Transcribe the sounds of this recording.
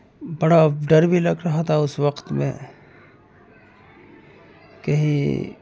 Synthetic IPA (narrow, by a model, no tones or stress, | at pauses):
bɐɽaɖɐɾbʱilɐɡɾɐɦat̪ʰaʊsʋɐqt̪mḛ̃ | kɐɦĩ